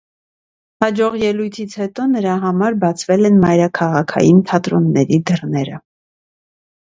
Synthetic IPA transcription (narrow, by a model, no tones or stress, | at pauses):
hɑd͡ʒɔʁjɛlujt̪ʰit͡sʰhɛt̪ɔnəɾɑɦɑmɑɾbɑt͡sʰvɛlɛnmɑjɾɑkʰɑʁɑkʰɑ̰jint̪ʰɑt̪ɾɔnːɛɾid̪ərnɛɾə̰